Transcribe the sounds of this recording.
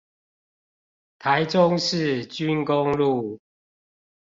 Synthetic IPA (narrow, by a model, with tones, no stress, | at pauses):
t̪ʰa˨˦ɪʈ͡ʂʊ˦ŋʂɻ̩˥˨t͡ɕy˦nkʊ˦ŋlu˥˨